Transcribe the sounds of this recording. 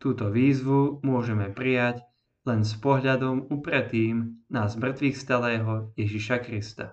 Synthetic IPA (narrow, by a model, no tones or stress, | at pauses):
t̪uːt̪ɔʋiːzʋumʊɔʒɛmɛpɾijaɟ | lɛnspɔɦʎad̪ɔmupɾɛt̪iːmnazmr̩t̪ʋixst̪alɛːɦɔjɛʒiʃakɾist̪a̰